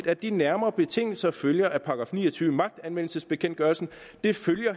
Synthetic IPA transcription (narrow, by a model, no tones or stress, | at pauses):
d̥æd̥inæɐmɐːb̥e̝t͡sʰe̝ŋ̰l̩sɐføljɐʔæpʰɑ̈ɡ̥ʁɑ̈fnḭːɐt͡sʰyːʋəmɑ̈ɡ̥̚d̥ænʋen̰l̩səsb̥e̝kʰen̰d̥ɡ̥ɶɐlsn̩ | d̥e̝føljɐ